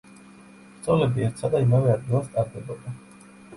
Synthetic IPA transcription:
t̪sʼɔlɛbiɛɾt̪sʰad̪aimavɛad̪̚ɡilˠast̪ʼaɾd̪ɛbɔd̪a

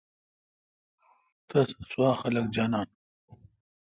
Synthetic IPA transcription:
t̪ɐssuaːxɐlɐk̚d͡ʑaːnaːn

